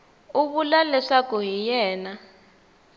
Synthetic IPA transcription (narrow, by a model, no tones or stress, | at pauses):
uβulalɛʂakɔɦijɛːna